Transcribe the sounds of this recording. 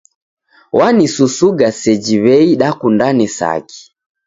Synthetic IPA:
wanisusuɡasɛd͡ʒiβɛiɗakundanisa̰ki̥

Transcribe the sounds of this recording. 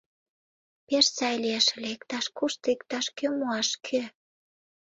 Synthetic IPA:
peʃsɑjlieʃlʲekt̪ɑʃkuʃt̪ɤikt̪ɑʃkømuɑʃkʰø

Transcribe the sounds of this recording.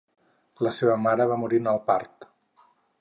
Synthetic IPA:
ləseβəmaɾəβ̞amuɾinəlˠpaɾt̪

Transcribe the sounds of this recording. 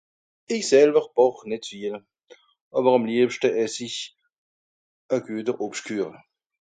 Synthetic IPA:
ɪçsɛlbəʁbɔχnɪtfiːl | ʔɑːbəʁɑmliəpʃtəɛsiç | əɡ̥yːət̬əʁʔɔpʃtkʰyːʁə

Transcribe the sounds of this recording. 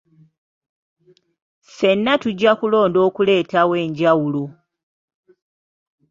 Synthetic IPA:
se̞nːatuɟːakulo̞ːndo̞ːkule̞ːtawe̞ːɲɟawulu

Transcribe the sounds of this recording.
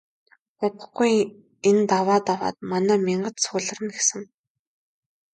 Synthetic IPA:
ʊt̪ə̆χɡuj | ent̪awaːt̪awa̰ːt̪manæːmʲiɴɢə̆t̪sʊːɮə̆rə̆nɡesɘ̆ŋ

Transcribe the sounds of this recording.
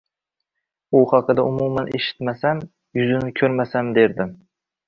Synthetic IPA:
ʊhɑqɨd̪aʊmumanʔeʃɪ̥t̪masam | jʊzɪnɪkʲʰɵɾmasamd̪e̞ɾd̪ɪm

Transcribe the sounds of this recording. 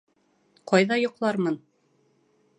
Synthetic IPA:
qɑjðɑjŏqlˠɑɾmɤn

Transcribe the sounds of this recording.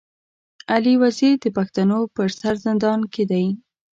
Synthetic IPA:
aliwaziɾd̪əpaxt̪anopəɾsaɾzɪnd̪ɑnked̪aj

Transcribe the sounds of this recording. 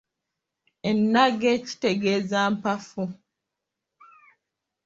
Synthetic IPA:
enːaɡeci̥te̞ɡeːzampafu

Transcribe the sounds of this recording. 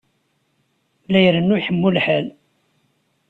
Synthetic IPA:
læjɾənːujħəmːulħəl

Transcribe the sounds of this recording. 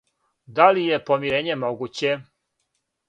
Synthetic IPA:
d̪alije̞po̞miɾeːɲe̞mo̞ɡuːt͡ɕe

